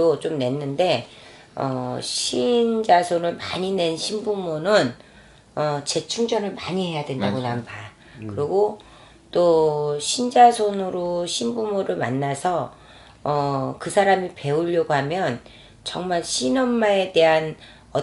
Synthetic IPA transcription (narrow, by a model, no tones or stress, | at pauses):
ot͡ɕomne̞nːɯnde̞ | ʌ̰ɕʰind͡ʑasʰonɯɭma̰ɲine̞nɕʰinbumonɯn | ʌt͡ɕe̞t͡ɕʰuŋd͡ʑʌnɯɭmaɲihe̞jadwe̞ndaɡonamba | kɯɾʌɡo | t͈oɕʰind͡ʑasʰonɯɾoɕʰinbumoɾɯɭmanːasʰʌ | ʌkɯsʰaɾamipe̞uʎːʌɡoɦamjʌn | t͡ɕʌŋmaɭɕʰinʌmmae̞de̞ɦan | ʌ